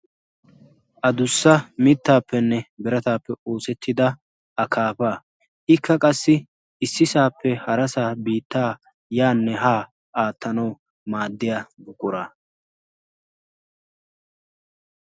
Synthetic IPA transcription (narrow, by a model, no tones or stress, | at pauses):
ʔɐd̪ʊsːɐmɪt̪ːaːpːɛnːɛbɪɾɐt̪aːpːɛo̞ːsɛt̪ʰːɪd̪ɐ | ʔɐkʰaːpaː | ʔɪkʰːɐkʼɐsːɪ | ɪsːɪsaːpːɛhɐɾɐsaːbiːt̪ːaː | jaːnːɛɦaː | aːt̪ːɐnɐw | maːd̪ːɪjabʊkʼːʊɾa